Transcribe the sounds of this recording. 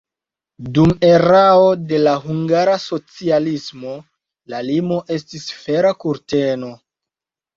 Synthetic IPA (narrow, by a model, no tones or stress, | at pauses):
dume̞ɾao̞de̞laɦuŋɡaɾaso̞t͡sialismo̞ | lalimo̞ʔe̞stisfe̞ɾakuɾte̞no̞